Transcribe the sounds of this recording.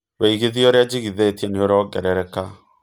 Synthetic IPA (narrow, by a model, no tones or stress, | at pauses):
weiɣiðioɾead͡ʑiɣiðeːtiɛneoɾɔɡɛɾɛɾɛka